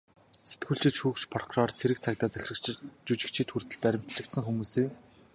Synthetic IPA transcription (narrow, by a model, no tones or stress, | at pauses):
se̥t̪ɡuːɮt͡ɕɪ̆t̪ʃuːkt͡ɕpʰɔrkʰurɔrt͡sʰeɾɘ̆k̚t͡sʰakt̪aːt͡sæxʲɪ̆rɘ̆t͡ɕut͡ɕɪ̆kt͡ɕʰiːt̪xur̥t̪ɘ̆ɮpæɾʲɪ̆m̥t̪ɮɘ̆kt̪sə̆ŋxumuːseː